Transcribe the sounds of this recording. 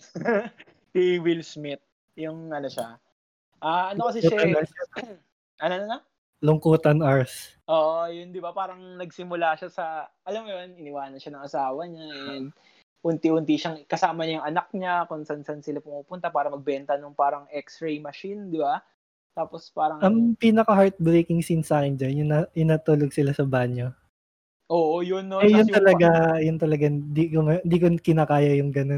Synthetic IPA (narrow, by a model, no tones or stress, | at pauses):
iwilsmɪt̪̚ | jʊŋɐno̞ʃa | ʔaːʔɐnokɐsɛʃa | ʔɐnononɐ | lʊŋkuːt̪ɐnaɹs | ʔoːʔojʊnd̪ɪbapaːɾɐŋnɐɡ̚sɪmʊlaʃasɐʔɐlɐmjonɪnɪwaːnɐnʃanɐŋʔɐsaːwɐɲaʔɛd̪ | hʊnt̪ihʊnt̪iʃɐŋkɐsaːmɐɲajʊŋɐnɐk̚ɲakʊnsansansɪlapʊmuːpʊnt̪ɐpaːɾɐmɐɡ̚bɛnt̪ɐnoŋpaːɾɐŋʔɛksɾejmɐʃind̪ɪba | t̪aːpospaːɾɐʔɐŋpiːnɐkɐɦaɹt̪̚bɾeːkɪŋsinsaːkɪnd͡ʒɐnjʊŋnɐʔɪnaːt̪uːloɡ̚sɪlasɐbaɲo | ʔoːʔojʊnːoɛjʊnt̪ɐlɐɡajʊnt̪ɐlɐɡad̪ikomɐɪnd̪iːkokɪnaːkaːjɐjʊŋɡɐno